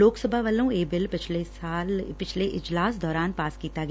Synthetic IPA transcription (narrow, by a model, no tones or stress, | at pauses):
loːksəbʱaʋəlõeːbɪlpɪt͡ʃʰlesaːlpɪt͡ʃʰleʔɪd͡ʒlaːsd̪ɔːɾaːnpaːskiːt̪aɡ